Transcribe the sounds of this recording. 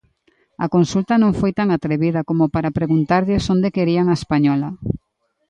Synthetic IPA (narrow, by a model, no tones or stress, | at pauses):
ɐkonsult̪ɐnõŋfojt̪aŋat̪ɾeβiðɐkomopaɾapɾeɣunt̪aɾʎɪsond̪ekeɾiaŋaespaɲɔlɐ